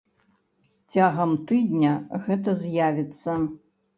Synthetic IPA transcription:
t͡sʲaɣɐmt̪ɨd̪ʲnʲɐɣɛt̪ɐzʲjavʲɛt̪sːɐ

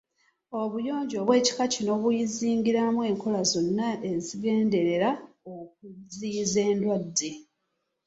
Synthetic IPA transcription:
o̞βujo̞ːɲɟo̞ːβwe̞ːci̥kacino̞βujiziːŋɡiɾamwe̞ːŋko̞lazo̞nːae̞ziɡe̞ːnde̞ɾe̞ɾa | ok̚uzize̞ːndwadːe

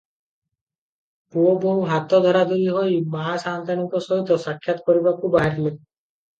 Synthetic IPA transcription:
puoboɦat̪ɔd̪ʱɔɾad̪uɾiɦojmasant̪anikɔsɔɦit̪ɔsakʰːjat̪ɔkɔɾibakʰubaɦaɾt̪ʰile

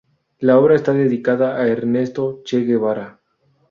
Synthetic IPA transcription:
lao̞βɾaest̪aðeðikaðaːeɾne̞st̪o̞t͡ʃeɣeβaɾa

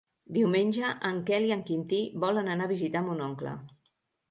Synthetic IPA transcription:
d̪iwmenʲʒəʔəŋkɛliəŋkint̪iβɔlənənaβizit̪amunɔŋklə̰

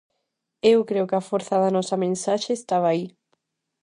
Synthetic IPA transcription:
ewkɾeʊkɪɐfoɾθɐðɐnɔsɐmẽnsaʃeːst̪aβ̞ɐːi

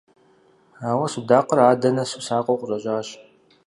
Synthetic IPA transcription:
aːwɐsudaːqəraːdɐnɐsusaːqʷʼowqʷʊrʼɐɕʼaːɕ

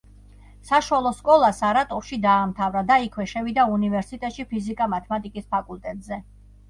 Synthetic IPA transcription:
saʃwalˠɔskʼɔlˠasaɾat̪ʼɔfʃid̪aːmt̪ʰavɾad̪aikʰwɛʃɛvid̪aunivɛɾsit̪ʼɛt̪ʼʃipʰizikʼamat̪ʰɛmat̪ʼikʼispʰakʼulˠt̪ʼɛt̪ʼzɛ

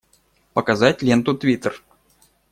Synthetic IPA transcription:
pəkɐzatʲlʲent̪ʊt̪vʲit̪ər

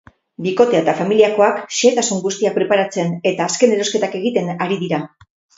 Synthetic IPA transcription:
biko̞t̪e̞at̪afamiliako̞akʃeːt̪asuŋɡust̪iak̚pɾe̞paɾat͡se̞ne̞t̪aːske̞ne̞ɾoske̞t̪ake̞ɣit̪e̞naɾiðiɾa

